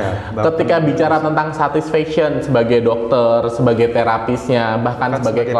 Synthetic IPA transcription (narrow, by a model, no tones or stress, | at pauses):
kət̪ikabit͡ʃaɾat̪ənt̪aŋsat̪isfɛksiənsəbaɡajdɔk̚t̪ərsəbaɡajt̪eɾapisɲabahkansəbaɡajkl